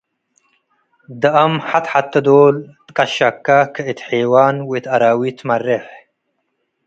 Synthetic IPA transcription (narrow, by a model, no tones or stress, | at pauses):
d̪əɐmħat̪ħat̪ːɐd̪oːlt̪kʼaʃakːakʰəit̪ħeːwaːnwit̪ɐɾaːwit̪ʰmareħ